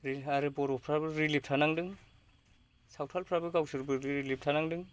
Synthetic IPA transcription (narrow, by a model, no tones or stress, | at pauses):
ɾiaɾɯbɔɾɔpʰɾabɯɾilip̚tʰanaŋdɯŋ | sawtʰalpʰɾabɯɡawsɯɾbɯɾilip̚tʰanaŋdɯŋ